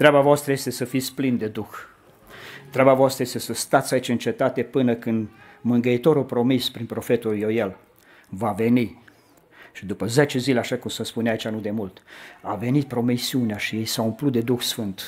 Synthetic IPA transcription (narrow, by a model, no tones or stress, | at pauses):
t̪ɾeabavoast̪ɾəje̞st̪e̞səfit̪sʲplind̪e̞d̪ux | t̪ɾeabavoast̪ɾəjest̪e̞səst̪at̪sʲait͡ʃɨnt͡ʃe̞t̪at̪e̞pɨnəkɨnd̪mɨŋɡəit̪o̞ɾupɾo̞mispɾinpɾo̞fe̞t̪uljojel | vave̞ni | ʃid̪upəzet͡ʃe̞zileaʃakumsəspuneait͡ʃanud̪e̞mult̪ave̞nit̪̚pɾo̞misiuneaʃije̞jsaumplut̪̚d̪e̞d̪uxsfɨnt̪